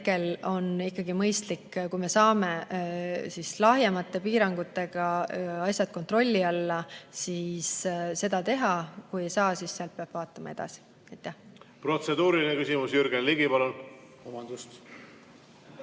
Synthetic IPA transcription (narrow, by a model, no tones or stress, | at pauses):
ke̞lo̞nikːɑɡimɤjst̪likːkujme̞sɑːme̞ | sislɑɦjemɑt̪ːˑe̞piːɾɑŋɡ̥ut̪ːˑe̞ɡ̥ɑɑsʲjɑd̪̥̚ko̞nt̪ro̞lʲːiɑlːɑsiːsse̞d̪̥ɑt̪e̞ɦɑkuje̞jsɑːsisːeɑlt̪̚peɑb̥vɑːt̪ːˑɑmɑe̞d̪̥ɑ̰si̥ | ɑjt̪ːˑæhpro̞t̪se̞d̪uːɾilinekysimusjyɾɡ̥enliɡipɑlon | omɑnd̪̥ust̪